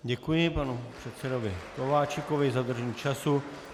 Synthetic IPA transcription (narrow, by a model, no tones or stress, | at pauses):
ɟɛkujɪpanupr̝̥ɛt̪sɛdovɪkovaːt͡ʃɪkovɪzad̪r̩ʒɛɲiːt͡ʃasu